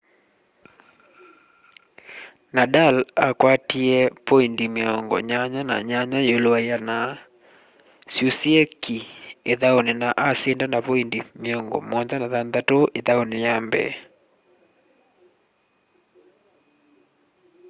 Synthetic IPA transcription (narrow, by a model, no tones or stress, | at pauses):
nadalakwatiɛpoindimeɔŋɡɔ̰ɲaɲanaɲaɲajoloaijana | sjusiɛkʰieðaonenaʔasendanapoindimeɔŋɡɔ̰mɔnd͡ʒanaðanðatoʔeðaonejambɛ̰